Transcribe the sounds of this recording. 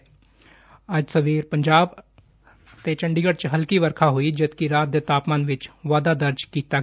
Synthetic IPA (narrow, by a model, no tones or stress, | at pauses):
əd͡ʒsəʋiːɾpə̃ɲd͡ʒaːb | t̪et͡ʃə̃ɳɖiɡəɽt͡ʃɦəlkiʋəɾkʰaɦoid͡ʒəd̪kiɾaːt̪̚d̪et̪aːpmaːnʋɪt͡ʃʋaːd̪ad̪əɾd͡ʒkiːt̪a